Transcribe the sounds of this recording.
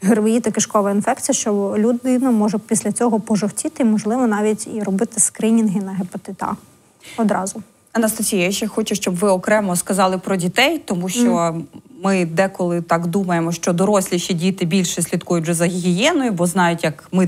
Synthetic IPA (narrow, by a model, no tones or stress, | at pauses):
ɦɪrʋɪjit̪ɐkɪʃkɔʋɐinfɛkt͡sʲijɐʃt͡ʃɔlʲud̪ɪnɐmɔʒɛpʲisʲlʲɐt͡sʲɔɦɔpɔʒɔwtʲit̪ɪmɔʒlˠɪʋɔnɑʋʲitʲirɔbɪt̪ɪskɾʲinʲinɦɪnɐɦepet̪ɪt̪ɑ̰ | ɔd̪ɾɑzʊ | ɐnɐst̪ɐsʲijɐjʃɛxɔt͡ʃʊʃt͡ʃɔbʋɪɔkɾɛmɔskɐzɑlˠɪpɾɔdʲit̪ɛjt̪ɔmuʃt͡ʃɔmɪd̪ɛkɔlˠɪt̪ɑkd̪umɐjemɔʃt͡ʃɔd̪ɔɾɔsʲlʲiʃidʲit̪ɪbʲilʲʃɛsʲlʲid̪kujʊtʲʒɛzɐɦʲiɦʲijɛnɔjʊbɔznɑjʊtʲjɐkmɪ